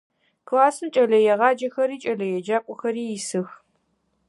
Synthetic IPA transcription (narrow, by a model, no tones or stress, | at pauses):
kʰlaːsnt͡ʃʼɐlɐjɛʁɑːd͡ʒɐxɐɾiːt͡ʃʼɐlɐjɛd͡ʒaːkʷʼɔxɐɾiːjɪsɨx